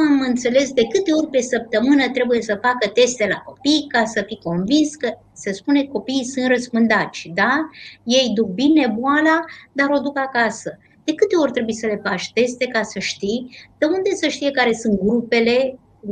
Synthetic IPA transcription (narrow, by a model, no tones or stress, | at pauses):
amɨnt̪se̞le̞sd̪e̞kɨt̪e̞o̞rʲpe̞səp̚t̪əmɨnət̪ɾe̞buje̞səfakət̪e̞st̪e̞la̰ko̞pijkasəfiko̞nvinskə | sespune̞ko̞piːsunt̪rəspɨnd̪at̪sʲd̪aje̞jd̪uk̚bine̞boalad̪aɾo̞d̪ukakasə | d̪̥e̞kɨt̪e̞o̞rʲt̪ɾe̞bujsəle̞fat͡ʃt̪e̞st̪e̞kasəʃt̪ijd̪̥eund̪e̞səʃt̪ije̞kaɾe̞sɨnt̪̚ɡɾupe̞le̞